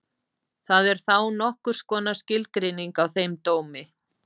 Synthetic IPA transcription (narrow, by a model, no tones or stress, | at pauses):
θaðɛɾ̥θawnɔhkʏɾ̥skɔːnascɪlt̪kɾɪniŋkawθejmt̪oːwmɪ